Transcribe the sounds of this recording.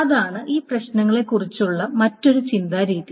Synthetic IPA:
ɐðaːɳɨʔiːprɐɕnɐŋːɐɭe̞kːurit͡ɕːuɭːɐmɐtːo̞ɾut͡ɕind̪aːɾiːði

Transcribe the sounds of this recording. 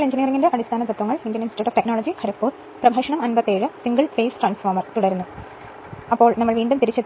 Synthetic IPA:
ɭeɲd͡ʑiniɐrɐŋːindeʔɐɽist̪ʰaːnɐt̪ɐt̪ːʋɐŋːɐɭindjɐninsiʈuːʈːoːfʈeknoːɭɐd͡ʑikʰɐɾɐkːoːɾ | prɐbʱaːʂɐɳɐmɐnbɐt̪ːeːɻɨsiŋɡɐɭfeːsfrɐːnsoːmɐrt̪uɽɐɾunːu | ɐpːo̞ːɭnɐmːɐɭʋiːɳɖumt̪iɾit͡ɕːɐt̪ː

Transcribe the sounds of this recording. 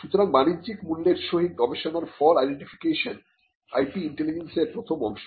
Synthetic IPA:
ʃut̪oɾaŋbanid͡ʑikmulːeɾʃoɦik̚ɡɔbeʃonaɾfɔlajɖeɳʈifʰi̥keʃon | a̰jʈiiɳʈelid͡ʑenseɾpɾot̪ʰomɔ̰nʃ

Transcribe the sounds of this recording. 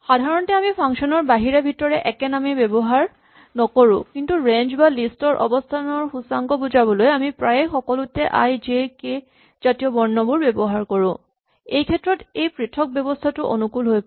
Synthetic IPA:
xadʱaɹɔntɛamipʰaŋkʃɔnɔɹbaɦiɹabʱitɔɹɛʔɛkɛnamibebɔɦaɹ | nɔkoɹʊ̃kintuɹend͡ʒbalistɔɹʔɔ̰bɔstʰanɔɹxusaŋkɔbuzabɔlojamipɹajxɔkɔlʊtɛʔa̰jzeke | zatijɔbɔɹnːɔbuɹbebɔɦaɹkɔɹʊ̃ | ejkʰɛtːɹɔtejpɹitʰɔk̚bjɛbɔstʰatʊʔo̰nukulɦoj

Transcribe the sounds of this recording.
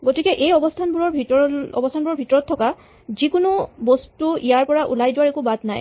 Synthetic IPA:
ɡotikɛʔejɔbɔstʰanbuɹɔɹbʱitɔɔ̰bɔstʰanbuɹɔɹbʱitɔɹɔtʰːɔka | zikunubɔstuijaɹpɔɹaʔṵlajdʊwaɹekubadna̰j

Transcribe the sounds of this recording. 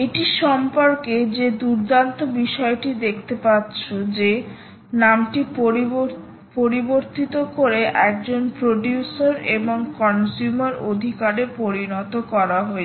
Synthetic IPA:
eʈiʃɔmpoɾked͡ʑed̪uɾd̪ant̪obiʃɔeʈid̪ekʰt̪epatːɕʰod͡ʑe | namʈip | poɾiboɾt̪it̪okoɾeʔɛk̚d͡ʑonpɾoɖjusaɾeboŋkɔnsumaɾod̪ʱikaɾepoɾinɔt̪okɔɾaɦoe

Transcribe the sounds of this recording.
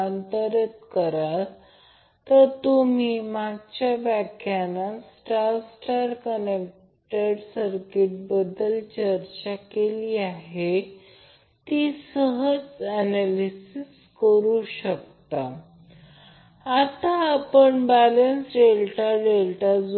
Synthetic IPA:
ant̪əɾjət̪kəɾa | t̪əɾt̪um̤iːmaɡ̚t͡ɕjabakʰjanasʈaɾsʈaɾkənek̚ | ʈəɽsəɾkiʈ̚bəd̪əlt͡ɕəɾt͡ɕakeliaɦe | t̪iːsəɦəd͡zænalisis | kəɾuɕək̚t̪a | at̪aːpəɳbælənsɾelʈaɖelʈad͡z

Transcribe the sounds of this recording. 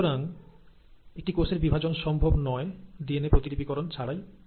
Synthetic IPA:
oɾaŋ | ek̚ʈikoseɾbibʱad͡ʑonʃɔmbʱobnɔed̪ienepɾot̪iɾibikɔɾont͡ɕʰaɽaj

